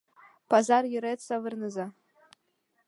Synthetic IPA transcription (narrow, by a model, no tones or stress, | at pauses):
pʰazarjɪɾetsavɨrnɨza